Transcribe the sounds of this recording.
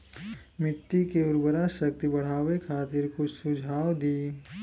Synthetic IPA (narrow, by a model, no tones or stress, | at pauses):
mɪʈːikeʊɾbəɾaʃɐk̚t̪ibɐɽ̤aːʋekʰaːt̪ɪɾkʊt͡ʃʰsʊd͡ʒʱaːwd̪iː